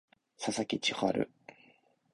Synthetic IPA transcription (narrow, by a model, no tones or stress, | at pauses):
sasakʲit͡ɕihoa̰ɾɯ̟̰